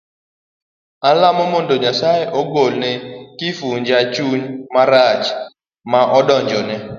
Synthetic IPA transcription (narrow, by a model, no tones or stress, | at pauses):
alamomondoɲasajeʔoɡolnɛkifuɲd͡ʒat͡ʃuɲmaɾat͡ʃ | maʔɔdɔɲd͡ʒɔnɛ